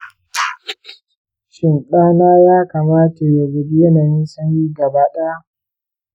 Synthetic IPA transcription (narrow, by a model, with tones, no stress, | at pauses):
ʃɪ˨nɗaː˦naː˦jaː˦kaː˨maː˦ta˨ja˨ɡɐ˨bi˦jɐ˦naː˨jɪ˦nsɐ˦ɲjiː˦ɡɐ˨baː˦ɗa˦a˦ʔ